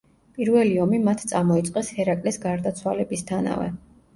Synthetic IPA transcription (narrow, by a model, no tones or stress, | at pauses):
pʼiɾvɛliɔmimat̪ʰt̪sʼamɔit̪sʼqʼɛshɛɾakʼlisɡaɾd̪at̪sʰwalɛbist̪ʰana̰vɛ̰